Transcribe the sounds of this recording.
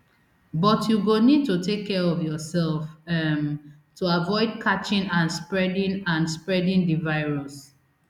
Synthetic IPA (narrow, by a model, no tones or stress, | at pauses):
bɔtjuɡonid̚totekʰːɛɹɔvjɔsɛlfɛm | tuavɔɪd̚kʰat͡ʃĩnãnspɹɛdĩnãnspɹɛdĩndivaɪɹɔs